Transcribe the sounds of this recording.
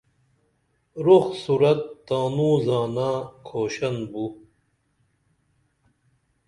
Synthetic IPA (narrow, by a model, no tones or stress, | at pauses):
ɾoxsuɾɐt̪ːaːnũzaːnaːkʰoːɕɐnbu